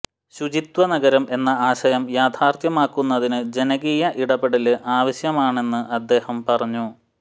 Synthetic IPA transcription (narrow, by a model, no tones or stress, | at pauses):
ɕud͡ʑit̪wɐnɐɡɐɾɐme̞nːɐaːɕɐjɐmjaːt̪ʰaːrt̪jɐmaːkːunːɐðinɨd͡ʑe̞nɐɣiːjɐʔiɽɐbeɽɐlɨʔaːʋɐɕjɐmaːɳe̞nːɨʔɐd̪ːe̞ːhɐmpɐrɐɲːu